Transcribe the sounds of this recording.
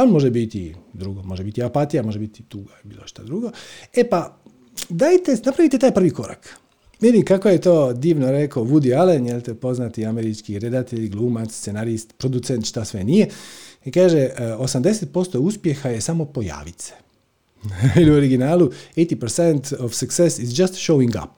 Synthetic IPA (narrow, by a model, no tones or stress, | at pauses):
onmo̞ʒebit̪ḭd̪ɾuɡomo̞ʒebit̪iapat̪ijamo̞ʒebit̪i̥t̪uɡabiːloʃt̪ad̪ɾuɡo̞epa | d̪aːjt̪enapɾaʋit̪et̪aːjpr̩ʋiko̞ɾa̰k | mid̪imkako̞jet̪o̞ːd̪iːʋno̞ɾekoʋud̪ialenjelt̪epo̞znat̪iameɾit͡ʃkiɾe̞d̪at̪eʎɡlˠuːmat̪ssse̞naɾist̪pɾo̞d̪ut̪sent̪ʃt̪asʋenijeikaːʒeo̞samd̪e̞set̪̚po̞st̪o̞uspje̞xaje̞samo̞po̞ja̰ːʋit̪se̥ | iliuoɾiɡinaːlˠuejt̪ipəɾsent̪ofsaksesizd͡ʒast̪ʃowiŋɡa̰p̚